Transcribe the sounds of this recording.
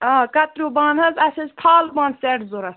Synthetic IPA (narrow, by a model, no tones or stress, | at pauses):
aːkɐt̪ɾuːbaːnɦɐzɐsɐzt̪ʰaːlbãːnseʈzuɾɐs